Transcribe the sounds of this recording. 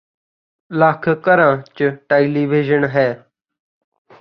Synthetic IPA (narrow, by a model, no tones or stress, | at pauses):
laːkʰkəɾãːt͡ʃəʈeːiliːʋiːʒənɦɛː